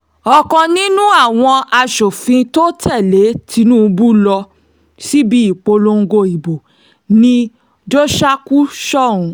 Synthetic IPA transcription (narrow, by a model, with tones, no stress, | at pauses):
ɔ˨kɔ̃˧nĩ˦nũ˦a˦˨w̃ɔ̃˧a˧ʃo˨fĩ˧to˦tʰɛ˦˨le˨˦tʰi˧˦nũ˦˧bu˦lɔ˧ | si˦bi˦i˦˨k͡po˧lo˧ŋ̩˧ɡo˧i˨bo˨ | nĩ˧ | d͡ʒo˦ʃa˦ku˦ʃɔ˦˨ũ˨˧